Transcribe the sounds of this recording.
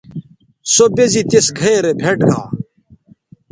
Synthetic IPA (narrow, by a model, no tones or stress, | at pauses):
sobezit̪esɡʱɐeɾebʱeʈɡa̰ː